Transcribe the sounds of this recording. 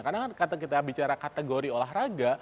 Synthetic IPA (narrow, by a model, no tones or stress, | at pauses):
karnakankat̪akit̪abit͡ʃaɾakat̪eɡoɾiolaɦraɡa